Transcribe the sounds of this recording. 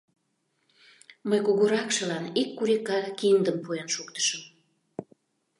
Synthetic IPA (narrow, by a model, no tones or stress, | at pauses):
məjkuɣuɾɑkʃə̆lɑnikːuɾikɑkind̪əmpuenʃuk̚t̪ə̥ʃəm